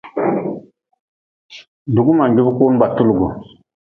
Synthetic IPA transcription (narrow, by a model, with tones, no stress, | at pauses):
du˨ɡu˦ma˨ŋɡi˦bko˦nu˦ba˨tu˦lɡu˨